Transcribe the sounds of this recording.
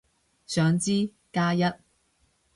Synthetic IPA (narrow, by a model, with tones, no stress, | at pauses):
sœː˨˧ŋt͡siː˥ | kaː˥jɐ˥t̚